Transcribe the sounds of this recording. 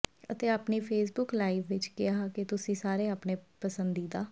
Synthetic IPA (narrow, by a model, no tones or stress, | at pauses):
ə̰t̪eːaːpniːpʰeːs̬bʊklaːiːʋʋɪt͡ʃkɪjaːket̪ʊsĩːsaːɾeːaːpneːpəsənd̪iːd̪aː